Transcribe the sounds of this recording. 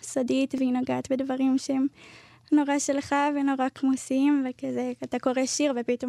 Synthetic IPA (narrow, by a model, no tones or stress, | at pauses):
sodit̪veinoɡaːt̪bedvaʁimʃeem | no̞ʁaʃelχaveno̞ʁakmusiimvekazeat̪ako̞ʁeʃiʁvepito̞